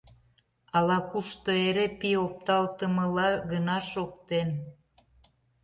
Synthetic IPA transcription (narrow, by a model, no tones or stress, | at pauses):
ɑlɑkuʃt̪oeɾepiop̚t̪ɑlt̪əməlɑɣənɑʃok̚t̪en